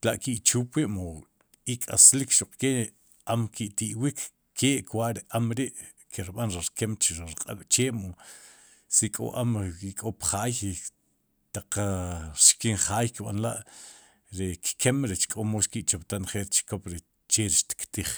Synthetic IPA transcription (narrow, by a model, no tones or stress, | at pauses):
laʔkiʔt͡ʃuːpiʔmo | ikʼaslikʃuq͡χkeʔ | amkʰiʔt̪iʔwikːʰ | eːʔkwaʔɾiʔamɾiʔ | kʰeɾɓanɾiɾkemt͡ʃiɾɾqʼa̰ɓ̥t͡ʃeːmo | sikʼo̰ʔamkikʼopχaːj | t̪aq͡χ | ʃkinχaːjkiɓa̰nla̰ʔ | ɾekkʰemɾet͡ʃkʼomoʃkiʔt͡ʃopt̪anχeʔɾt͡ʃkopɾe | t͡ʃeɾiʃt̪i̥kt̪iχ